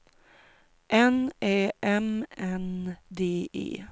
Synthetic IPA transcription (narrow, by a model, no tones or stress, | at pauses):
ʔɛneːʔɛmɛnd̪eːʔḛː